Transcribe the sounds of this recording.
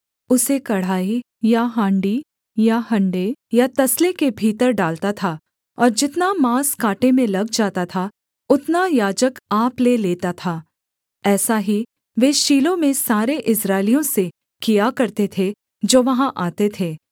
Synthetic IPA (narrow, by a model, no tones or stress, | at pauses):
ʊsekɐɽ̤aːi | jaɦãːɳɖi | jaɦɐ̃ɳɖejat̪ɐslekebʱiːt̪əɾɖaːlt̪at̪ʰa | ɔːɾd͡ʒɪt̪namaːskaːʈemẽlɐɡd͡ʒaːt̪at̪ʰa | ʊt̪najaːd͡ʒəkaːpleleːt̪at̪ʰaː | ɛːsaɦi | ʋeːʃiːlõmẽsaːɾeʔɪsɾaːɪlijõse | kijakɐɾt̪et̪ʰe | d͡ʒoːʋɐɦãʔaːt̪et̪ʰeː